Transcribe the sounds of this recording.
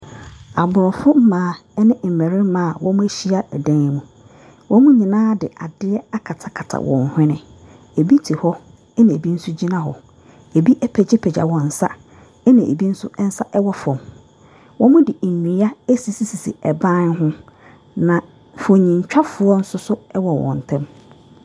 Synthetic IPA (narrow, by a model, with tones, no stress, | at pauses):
a˨bʊ˨ɾɔ˨fʊ˦m̩˦mãː˨˦˨ɛ˦nɪ̃˦m̩˨mæ̃˨ɾɪ̃˦mã˨wɔ̃˦mʊ̃˦e˦ɕi˦a˦ɛ˨dã˦n˦mũ˨ | wʔɔ̃˦mʊ̃˦ɲĩ˨nãː˦dɪ̰˨a˨dɪ˦ɛ˦a˦kʰa˨tʰa˨kʰa˨tʰa̰˨wɔ̰̃˨n˨hᶣɪ̃˦nɪ̃˨ | e˨bi˦tʰi˨hɔ˦ | ɛ˦nã˨e˨bi˦n̩˦sʊ˦d͡ʑi˦nã˦hɔ̰˨ | e˨bi˦ʔɛ˦pʰɛ˨d͡ʑɪ˦pʰɛ˨d͡ʑa̰˨wɔ̃˨n̩˨sa̰˦ | ɛ˦nã˨ʔḛ˨bi˦n̩˦sʊ˦n̩˦sa˦ʔɛ˦wɔ˦fɔ̃˨m | wʔɔ̃˦mʊ̃˦dɪ˨ɲĩ˨˦a˦æ˦si˨si˨si˨sḭ˨ɛ˨bã˦nɦʊ̃˦ | nã˨ | fɔ˨ɲĩ˨ɲ˨t͡ɕᶣa˦fʊ˨ɔ˦n̩˦sʊ˦sʊ˦ɛ˦wɔ˨wɔ̰̃˨n˨tʰɛ̃˦m